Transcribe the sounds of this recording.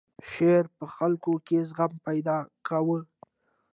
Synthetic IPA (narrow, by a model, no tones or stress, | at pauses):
ʃeɾpəxalkokezɣampajd̪ɑkawə